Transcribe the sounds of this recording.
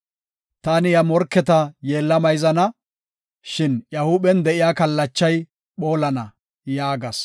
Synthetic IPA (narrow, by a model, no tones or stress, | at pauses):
t̪aːnɪjɐmɔɾkːɛt̪ɐje̞ːlːɐmɐjzɐnɐ | ʃɪnjɐhʊɓɛnd̪ɛʔɪjaːkɐlːɐt͡ʃːɐj | ɓo̞ːlɐnɐ | jaːɡɐs